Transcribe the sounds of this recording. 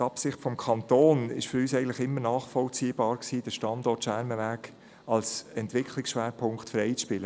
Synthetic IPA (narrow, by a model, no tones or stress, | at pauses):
tɑpsɪχtfɔmkʰɑnt̪oːnɪ̰ʃfʏɾyːsɛɪɡn̩tləχɪmːəɾnɑːχfɔlt͡siːb̥ɑːɾksiːd̥əʃtɑnd̪ɔːtʃæɾməʋæːk | ɑlsɛntʋɪkʰlɪksʃʋæːɾpʰʊŋktfɾɛɪt͡sʃpɪlə